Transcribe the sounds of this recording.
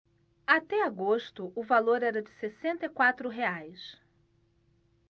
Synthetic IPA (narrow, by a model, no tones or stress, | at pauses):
at̪ɛaɡoʃt̪ʊʊvaloɾɛɾɐd͡ʒɪsesẽnt̪ɐkwat̪ɾʊɦeajs